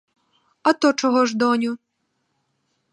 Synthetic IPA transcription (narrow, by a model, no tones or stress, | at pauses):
ɐt̪ɔt͡ʃɔɦɔʒd̪ɔnʲu